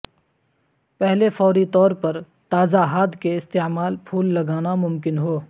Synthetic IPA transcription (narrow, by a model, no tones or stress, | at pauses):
pɛɦlefɔːɾit̪ɔːɾpɐɾ | t̪aːzaɦaːd̪keɪst̪eːmaːlpʰuːlːɐɡaːnamʊmkɪnɦoː